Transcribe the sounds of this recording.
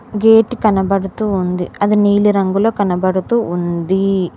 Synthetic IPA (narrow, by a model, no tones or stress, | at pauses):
ɡeːʈːikɐnɐbɐɽut̪uːnd̪iɐd̪uniːliɾɐŋɡuloːkɐnɐbɐɽut̪uːnd̪i